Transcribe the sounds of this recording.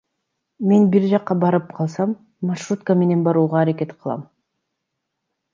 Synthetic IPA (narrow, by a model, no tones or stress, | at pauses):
me̞nbiɾd͡ʒɑqːɑbɑɾɯp̚qʰɑlˠsɑmː | aʃrut̪̚kəme̞ne̞nbɑɾuːʁɑːɾake̞t̪qʰɯlˠɑ̰m